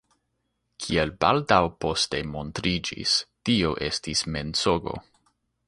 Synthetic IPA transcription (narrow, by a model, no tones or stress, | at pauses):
kʰielbaldawpo̞ste̞mo̞ntɾid͡ʒḭstioʔe̞stisme̞nt͡soɡo̞̰